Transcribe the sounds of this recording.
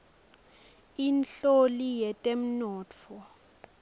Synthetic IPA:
inɬolijɛtʼem̩nɔːtt͡fʰɔ

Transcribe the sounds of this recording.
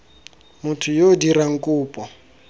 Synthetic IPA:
mʊtʰʊjodiɾaŋ̩kʼuːpʼɔ

